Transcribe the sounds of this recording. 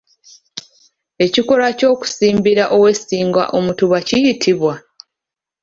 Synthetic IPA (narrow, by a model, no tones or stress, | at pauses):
e̞ciko̞ɾaco̞ːku̥siːmbiɾaʔo̞we̞siːŋɡwa̰ʔo̞mutuβacijitʰiβwa